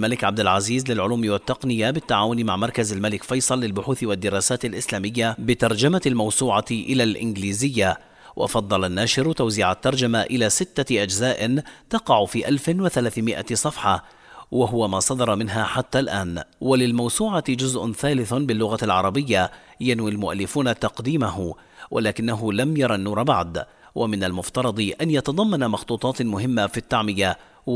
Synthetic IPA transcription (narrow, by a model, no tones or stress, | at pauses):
lmalɪkʕab̚d̪ɪlʕaziːzlɪlʕʊluːmɪwat̪ːɑqnɪjabɪt̪ːaʕaːwʊnɪmaʕmɑɾˤkazalmalɪkfɑjsˤɑlːɪlbʊħuːθɪwad̪ːɪɾɑːsaːt̪alʔɪslaːmɪjːabɪt̪ɑɾˤd͡ʒamalmɑwsuːʕaʔɪlaːlʔɪ̰nɡliːzɪjːa | wʔɑ̰fɑd̪ˤːɑlanːaːʃɪɾt̪awziːʕat̪ːɑɾˤd͡ʒamaʔɪlaːsɪt̪ːaʔad͡ʒzaːʔɪt̪ɑqɑʕʊfiːʔalfɪnwɪθalaːθmɪʔa̰sˤɑfħɑ | waɦʊwamaːsˤɑd̪ɑɾˤɑmɪnɦaːħat̪ːaːlʔaːnwalɪlmawsuːʕad͡ʒʊzʔʊnθaːlɪθbɪlːʊɣalʕɑɾˤɑbɪjːajanwilmʊʔalːɪfuːnat̪ɑqd̪iːmaɦʊ | wʔalaːkɪnːaɦʊlamjɑɾˤɑnːuːɾˤɑbaʕd̪ | wʔamɪnalmʊft̪ɑɾˤɑd̪ˤɨʔanjɑt̪ɑd̪ˤɑmːɑnamɑxt̪ˤuːt̪ˤɑːt̪mʊɦɪmːafit̪ːaʕmɪja